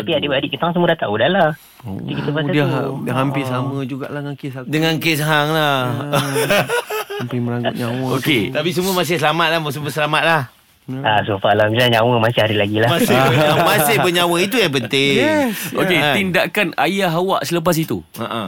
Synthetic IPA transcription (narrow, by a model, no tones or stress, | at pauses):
t̪apiadebadiʔkət̪aŋsəmədat̪aʔudahlah | o̰ikit̪əbasdadɦampɪsaməd͡ʒuɡa̰ʔladŋakɪsdəŋankɪs̬ɦaŋla | ampɪməlaŋɡʊt̚ɲawəoket̪apis̬əmuəmas̬ɪhsəlamat̪̚lahməs̬əməsəlamat̪̚lah | asufaʔlamilaɲawəmasɪhaɾilaɡilahmasamasɪhbəɲawəit̪ujaŋp̬ənt̪ɪŋoket̪indaʔkanajaɦawaʔsələp̬as̬it̪ṵ | a̰ʔa